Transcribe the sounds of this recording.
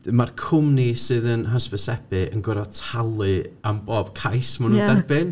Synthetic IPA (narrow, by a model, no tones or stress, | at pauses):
markʰʊmnisɨðənɦəsbəsɛbɨʔənɡəɾɔtʰalˠɨamboːb̥kʰajsmanuːndɛrbɨn